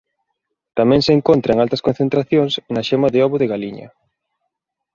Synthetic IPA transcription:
t̪amɛ̃ŋseːŋkont̪ɾɐeŋalt̪ɐskonθent̪ɾaθjoŋsnɐʃemaðeɔβʊðeɣaliɲɐ̰

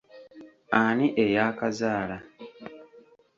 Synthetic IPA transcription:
aniʔejaːkazaːla

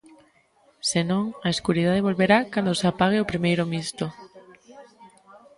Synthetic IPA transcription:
senõŋaeskuɾiðað̞eβ̞olβeɾakand̪oseapaɣ̞eopɾimejɾomist̪o

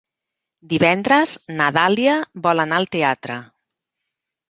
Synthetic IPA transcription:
d̪iβɛnd̪ɾəznaðaliəβɔlanalˠt̪eat̪ɾə̰

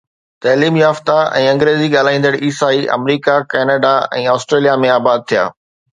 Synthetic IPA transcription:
t̪ɛːliːmjaːft̪aɛ̰̃ːɐ̃ŋɡɾeːziɠaːl̤aːĩːn̆d̪əɽiːsaːiʔɐ̰mɾiːkakɛːnaɖaɛ̰̃ːaːsʈɾeːlijamẽaːbaːd̪̚t̪ʰija̰ː

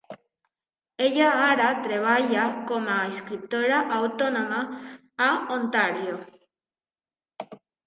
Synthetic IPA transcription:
eʎaaɾat̪ɾeβaʎakomaeskɾip̚t̪oɾaʔawt̪onõmaː | ont̪aɾjo

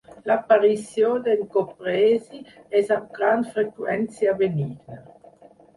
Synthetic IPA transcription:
lapaɾisjod̪elkopɾeːzi | ɛzap̚ɡɾand̪fɾekwɛnt͡sjabeniːɡna

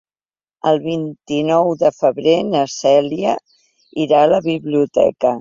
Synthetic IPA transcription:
əlˠβint̪inɔwðəfəβɾenəsɛliə | iɾaːləβiβliut̪ɛ̰kə

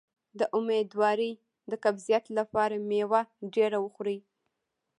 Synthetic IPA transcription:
d̪əʔʊmed̪wɑɾəj | d̪əkabzijat̪lapɑɾamewaɖeɾawəxɾəj

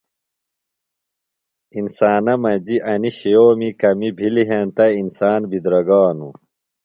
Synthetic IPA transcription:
insaːnɐmɐd͡ʑiʔɐniɕijoːmikɐmibʱiliɦent̪ɐinsaːnbid̪ɾɐɡaːnu

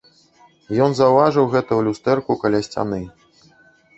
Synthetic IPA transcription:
jɔnzɐwvaʐɨwɣɛt̪ujulʲust̪ɛrkukalʲasʲt͡sʲa̰nɨ

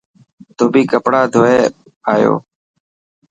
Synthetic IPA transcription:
t̪oːbiːkəpɽaːd̪ʱoːeː | aːjo̰ː

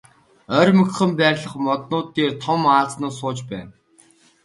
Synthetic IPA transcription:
œrʲmɵ̆k̆χɘ̆mpæːrʲɮə̆χmɔt̪nʊːt̪ːeːrt̪ʰɔmaːɮt͡snʊːsʊːt͡ɕpæːn

